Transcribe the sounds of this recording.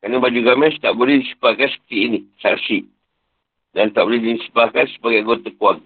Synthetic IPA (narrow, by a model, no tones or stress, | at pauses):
kanəbad͡ʒuɡamɛst̪aʔbolɛhdisə̥pakasə̥t̪iʔːnisa̰ksiʔ | dant̪aʔbolɛdinsə̥pakansə̥paɡejaŋɡot̪akuak̚